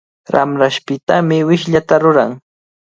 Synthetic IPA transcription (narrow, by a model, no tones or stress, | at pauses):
ɾa̰mɾaʃpɪt̪amɪwɪʃʎat̪aɾʊɾaŋ